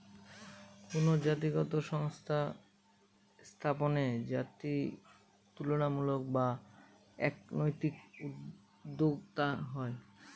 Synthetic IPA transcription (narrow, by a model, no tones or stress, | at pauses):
kunod͡ʑat̪iɡɔt̪oʃɔŋst̪ʰa | st̪ʰaponed͡ʑat̪ɾi | t̪uloɽ̃amulok̚ba | ɛknojt̪ikud̪ | d̪ːoɡt̪aɦɔe